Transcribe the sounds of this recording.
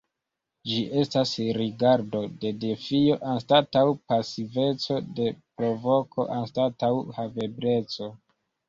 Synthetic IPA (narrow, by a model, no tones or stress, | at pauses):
d͡ʒiʔe̞stasɾiɡaɾdo̞de̞defijo̞ʔanstatawpasive̞t͡so̞de̞pɾo̞vo̞kʰo̞̰ʔanstatawhave̞bɾe̞t͡so̞